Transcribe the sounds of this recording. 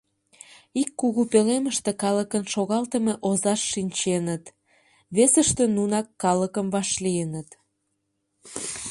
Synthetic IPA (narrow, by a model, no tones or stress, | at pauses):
ikːuɣupeleməʃt̪ekɑləkənʃoɣɑlt̪əmeʔozɑʃːinʲt͡ɕenət̪ | βesəʃt̪enunɑkːɑləkəmvɑʃlijənət̪